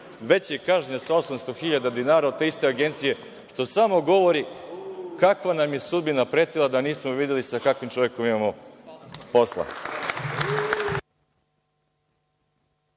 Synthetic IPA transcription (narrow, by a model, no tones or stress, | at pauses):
ʋe̞t͡ɕjekaʒɲasao̞samst̪o̞xiʎad̪ad̪inaːɾaot̪t̪e̞ist̪e̞aɡe̞nt̪sije̞ | ʃt̪o̞samo̞ɡo̞ʋo̞ɾi | kakʋanamje̞sud̪binapɾet̪ilˠad̪aniːsmoʋid̪jelisakakʋimt͡ʃo̞ʋjeko̞mimamo̞ | po̞slˠa̰